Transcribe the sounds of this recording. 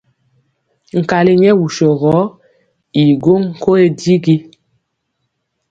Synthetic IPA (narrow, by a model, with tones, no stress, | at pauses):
ŋ̩˨ka˨li˦ɲɛ˦wu˨ʃo˨ɣɔ˨˦ | i˨ɡo˦ŋŋ̩˨ko˦e˦di˦ɡi˦